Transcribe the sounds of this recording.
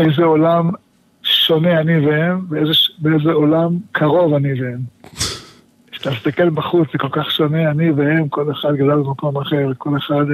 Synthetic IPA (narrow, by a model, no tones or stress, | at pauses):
ejzeolam | ʃo̞neanivehemveezeʃbeezeo̞lamkʰaʁo̞vanivehem | ʃe̥t̪amist̪ake̞lbaχut͡szeko̞lkaχʃo̞neaniveemko̞leχad̪ɡad̪albemako̞maχeʁko̞leχad̪